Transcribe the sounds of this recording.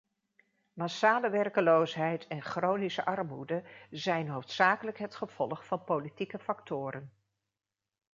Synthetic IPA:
masaːləʋɛrkəlowsɦɛjtɛnχrownisəʔɑrmudəzɛjnɦowftsaːkələkɦətχəv̥ɔlˠχfɑnpolitikəfɑktʊːɾən

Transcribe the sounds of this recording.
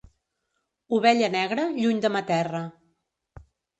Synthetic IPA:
uβɛʎənɛɣɾəʎuɲd̪əmət̪ɛrə

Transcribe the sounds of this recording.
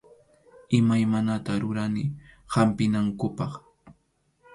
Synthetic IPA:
ɪmajmanat̪aɾʊɾanɪhampɪnaŋkʊpɑχ

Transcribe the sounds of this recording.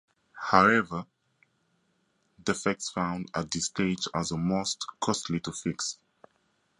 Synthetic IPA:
haʊɛvə | dɛfɛk̚tsfãʊ̃ndat̚d̪ɪsteɪd͡ʒazəmostkʰɔstʰlitufiks

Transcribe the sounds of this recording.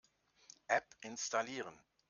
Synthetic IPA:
ʔɛpʔɪnstaliːʁən

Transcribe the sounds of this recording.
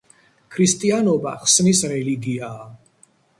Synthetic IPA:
kʰɾist̪ʼianɔba̰χsnisɾɛliɡiaː

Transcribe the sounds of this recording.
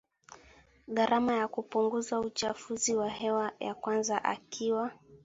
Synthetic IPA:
ɠaɾʔamajakupuŋɡuzaut͡ʃafuziwahɛwaja̰kwanzaʔa̰kʰiwa

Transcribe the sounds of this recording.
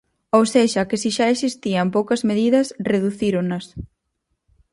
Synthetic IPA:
owseʃɐkɪsiʃaesist̪iɐmpowkɐzmeðiðɐsreðuθiɾonɐs

